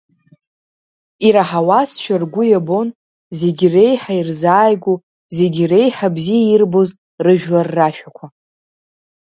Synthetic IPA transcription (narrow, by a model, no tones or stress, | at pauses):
iɾaħawasʃᶣarɡʷʊjabo̞n | ze̞ɡʲre̞jħairzaːjɡʷu | ze̞ɡʲre̞jħabzijairbo̞z | rɨʒᶣlarːaʃᶣakʷʰa